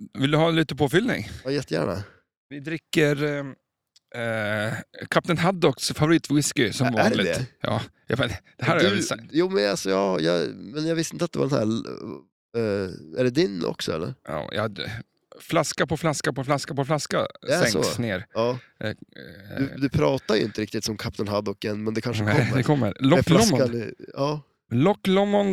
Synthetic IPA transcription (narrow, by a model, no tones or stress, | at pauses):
vɪld̪ɵhɑːliːt̪əpʰoːfʏlnɪ̰ŋɑːjɛt̪ːəjæ̰ːɳa̰ | vɪd̪ɾɪkːəɾ | kʰap̚t̪ənɦad̪ɔksfavʊɾiːt̪vwɪskɪsɔmmɑæɖlɪɡd̪ɛjɑ̰ː | jɑ̰mɛnd̪̥ɛhæɾhaɾdjsakt̪juːmɛnalsɔjɑːjɑ̰ːmɛnjɑɡvɪst̪ɪnt̪əat̪d̪ɛvaɾɛnhæ̰ː | æɖɛd̪ɪnɔ̰ksɔ̰ɛ̰lːə̰ɾɑ̰ːjɑ̰ | flaskapɔflaskapɔflaskapɔflaskad̪ɛɛŋsɔ̰neːɾjɑː | ɵd̪ɵpʰɾɑːt̪ad̪jʏʔɪnt̪əɾɪkt̪ɪt̪sɔmkʰap̚ːd̪ənɦad̪ːɔkːɛnːmɛnd̪ɛkʰanʂəɔmːəd̪ɛkʰɔmːə̰ɾɔklɔaɑː | lɔkːlɔmːɔn